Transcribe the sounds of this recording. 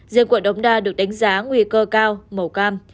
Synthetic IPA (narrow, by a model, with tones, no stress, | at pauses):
zḭ˧˨əku˨˧˩ən̚ɗə˨˦wŋ͡mɗaː˧˩ɗɨ˨˩ək̚ɗa˨˦jŋ̟zaː˨˦ŋwi˧kəː˧kaː˧wmə˨˩wkaː˧m